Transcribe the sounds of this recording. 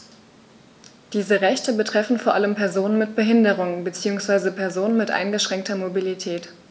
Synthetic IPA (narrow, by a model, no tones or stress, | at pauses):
d̥iːzəʁɛçtəbətʁ̥ɛfn̩foːɐʔaləmpʰɛɐzoːnənmɪt̚b̥əɦɪndəʁʊŋbət͡siːʊŋsv̥aɪzəpʰɛɐzoːnənmɪtʔa̰ɪnɡəʃʁ̥ɛŋk̚tɐmobilitʰɛːt